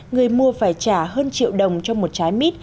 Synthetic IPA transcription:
ŋɨ˨˩əjmu˧˩əfaː˧˩jt͡ɕaː˧˩ɦəː˧nt͡ɕḭ˧˨əwɗə˨˩wŋ͡mt͡ɕɔ˧wŋ͡mmo˨˩t̚t͡ɕaː˨˦jmi˦˥t̚

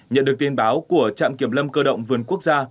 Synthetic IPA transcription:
ɲə̰˧˨nɗɨ˨˩ək̚t̪ʰnɓaː˨˦wku˧˩ət͡ɕa̰ː˧˨mki˧˩əmlə˧mkəː˧ɗə̰˧˨wŋ͡mvɨ˨˩ənku˦˥ək̚zaː˧

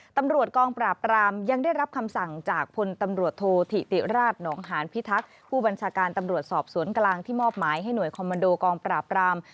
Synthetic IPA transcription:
t̪a˧mɾu˨˩ət̪̚kɔː˧ŋpɾaː˨˩p̚ɾaː˧mja˧ŋdaː˥˩jɾa˦˥p̚kʰa˧msa˨˩ŋt͡ɕaː˨˩k̚pʰo˧nt̪a˧mɾu˨˩ət̪ʰːoː˧t̪ʰi˨˩t̪i˨˩ɾaː˥˩t̪̚nɔː˩˦ŋɦaː˩˦npʰi˦˥t̪ʰa˦˥k̚pʰuː˥˩ba˧nt͡ɕʰaː˧kaː˧nt̪a˧mɾu˨˩ət̪̚sɔː˨˩p̚su˩˦ənklaː˧ŋt̪ʰiː˥˩mɔː˥˩p̚maː˩˦jɦa˥˩jnu˨˩əjkʰɔː˧ma˧ndoː˧kɔː˧ŋpɾaː˨˩pɾaː˧m

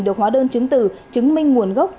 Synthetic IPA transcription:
ɗɨ˨˩ək̚waː˨˦ɗəː˧nt͡ɕɨ˨˦ŋt̪ɨ̰˧˨˩t͡ɕɨ˨˦ŋmï˧ŋ̟ŋu˨˩ənɣə˦˥wk͡p̚

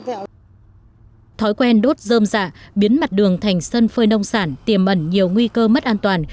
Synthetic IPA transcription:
t̪ʰɔ˨˦jkwɛ˧nɗo˦˥t̚zəː˧mza̰ː˧˨ɓi˨˦ənma˨˩t̚ɗɨ˨˩əŋt̪ʰa˨˩jŋ̟sə˧nfəː˧jnə˧wŋ͡msaː˧˩nt̪i˨˩əmʔə˧˩nɲi˨˩əwŋwi˧kəː˧mə˦˥t̚ʔaː˧nt̪waː˨˩n

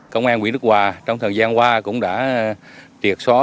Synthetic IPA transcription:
kə˧wŋ͡mʔaː˧nkwḭ˧˥˦n˦˥k̚waː˨˩t͡ɕɔ˧ŋ͡mt̪ʰəː˨˩jzaː˧nkwaː˧kʊ̰˧˥ŋ͡mɗa̰ː˧˥ | t̪i˨˩ək̚sɔ˨˦

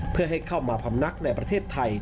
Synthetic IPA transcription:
pʰɯ˥˩ɐɦa˥˩jkʰa˥˩wmaː˧pʰa˩˦mna˦˥k̚na˧˩jpɾa˧t̪ʰeː˥˩t̪ʰːa˧j

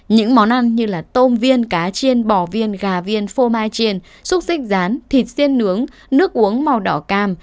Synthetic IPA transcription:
ɲɨ̰˧˥ŋmɔ˨˦nʔa˧nɲɨ˧laː˨˩t̪o˧mvi˧ənkaː˨˦t͡ɕe˧nɓɔ˧˩vi˧ənɣaː˨˩vi˧ənfo˧maː˧jt͡ɕe˧n | sʊ˦˥k͡p̚sï˦˥k̟̚zaː˨˦nt̪ʰi˨˩t̚si˧ənːɨ˨˦əŋ | nɨ˦˥ək̚ʔu˨˦əŋma˨˩wɗɔ̰˧˩kaː˧˩m

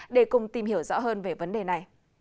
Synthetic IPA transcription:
ɗe˧˩kʊ˨˩ŋ͡mt̪i˨˩mhi˧˩əwzɔ̰˧˥ɦəː˧nve˨˩və˨˦nɗe˨˩na˨˩j

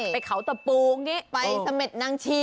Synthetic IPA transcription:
a˧jkʰa˩˦wt̪a˧˩puː˧ŋi˦˥pa˧jsa˧me˨˩t̪̚naː˧ŋt͡ɕʰiː˧

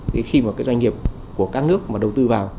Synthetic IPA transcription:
t̪ʰi˨˩˦xi˧maː˨˩kaː˨˦jzwa˧ŋ̟ŋi˨˩əp̚ | ku˧˩əkaː˦˥k̚nɨ˦˥ək̚maː˨˩ɗə˨˩wt̪ɨ˧vaː˨˩w

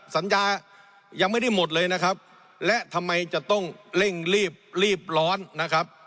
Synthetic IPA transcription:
sa˩˦njaː˧ | ja˧ŋma˥˩jda˥˩jmo˨˩t̪̬̚lɤː˧jna˦˥kʰa˦˥p̚ | lɛ˦˥ʔt̪ʰa˧mːa˧jt͡ɕa˨˩t̪ɔ˥˩ŋle˥˩ŋɾiː˥˩p̚ɾiː˥˩p̚lɔː˦˥nːa˦˥kʰa˦˥p̚

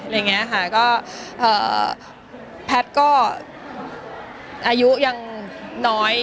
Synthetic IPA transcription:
a˧˨ŋi˦˥ɐkʰa˥˩kɔː˥˩ʔɤː˨˩ | pʰɛ˦˥t̪̚kɔː˥˩ | ʔaː˧ju˦˥ja˧ŋnɔː˦˥j

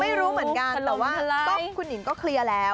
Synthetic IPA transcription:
ma˥˩jɾuː˦˥mɯ˨˩˦ə˦nka˧n˧ɛː˨˩waː˩˥ɔ˥˩kʰu˧nji˨˩˦ŋkɔː˥˩kʰli˧əlɛː˦˥w

